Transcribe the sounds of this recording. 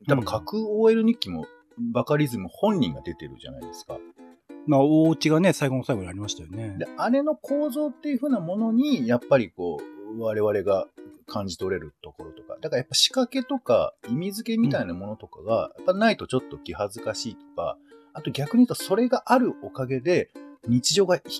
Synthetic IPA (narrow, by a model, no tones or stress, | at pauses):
t̪abakʰakɯ̟oːe̞ɾɯ̟ɲ̟ikʲːimo̞̰ | bakaɾʲizɨmɯ̟hõ̞ɲʲːḭ̃ŋɡad̪e̞t̪e̞ɾɯ̟̰ʑa̰na̰id̪e̞sɨ̥ka̰ | maːoːt͡ɕiɡane̞saiɡo̞nosaiɡoɲiaɾʲimaɕi̥t̪ajone̞d̪eaɾe̞no̞kʰo̞ːzo̞ːt̪ːe̞jɯ̟ɸɯ̟ːnamo̞no̞ɲ̟ijapːaɾʲiko̞ːβaɾe̞βaɾe̞ɡakʰãɲ̟d͡ʑi̥t̪o̞ɾe̞ɾɯ̟t̪o̞ko̞ɾo̞t̪o̞̥ka̰d̪akaɾajapːaɕi̥kake̞t̪o̞ka̰imʲizɨke̞mʲit̪ainamo̞no̞t̪o̞ka̰ɡa̰jʔapːainait̪o̞t͡ɕo̞t̪ːo̞kʲihazɨkaɕiːt̪o̞̥ka̰at̪o̞ɡʲakɯ̟ɲ̟iɯt̪ːoso̞ɾe̞ɡaʔaɾɯ̟o̞kaɡe̞d̪e̞ɲ̟it͡ɕiʑo̞ːɡa